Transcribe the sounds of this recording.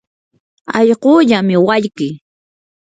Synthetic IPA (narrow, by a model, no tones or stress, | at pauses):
ɑʎɢoːʎamɪwaʎkɪ